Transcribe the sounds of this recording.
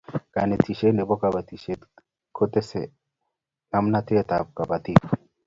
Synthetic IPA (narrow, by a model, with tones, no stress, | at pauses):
ka˨ne˨ti˨ʃe˦ne˨bɔ˦ka˨ba˨t̪i˨ʃe˦ | kʰo˦t̪e˦sḛ˨ | ŋa˦mna˦t̪ɪ˦t̪a˨b̚ka˨ba˨t̪i˦p